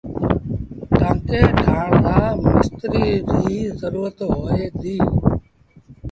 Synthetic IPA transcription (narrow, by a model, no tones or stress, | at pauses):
t̪ãːkeːʈʰaːɳd̪aːmaːst̪ɾiːɾʱiːzəɾuːɾət̪ɦoːeːd̪iː